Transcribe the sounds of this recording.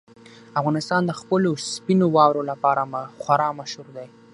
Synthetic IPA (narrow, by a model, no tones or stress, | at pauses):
afɣɑnɪst̪ɑnd̪əxpəlospinowɑwɾolapɑɾamxwaɾɑmaʃhuɾd̪aj